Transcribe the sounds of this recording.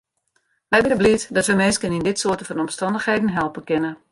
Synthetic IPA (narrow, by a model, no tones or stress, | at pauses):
ʋɛjbɪnəblitdɔtʋəmeːskənindɪtsoːtənfɔnɔmstɑndəxheːdən̩ɦɛlˠpəkɪnə